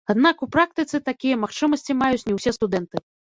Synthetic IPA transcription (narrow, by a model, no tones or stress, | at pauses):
ad̪nakupɾak̚t̪ɨt̪sɨt̪akʲijɐmaxt͡ʂɨmɐsʲt͡sʲimajut͡sʲnʲɛwsʲɛst̪ud̪ɛnt̪ɨ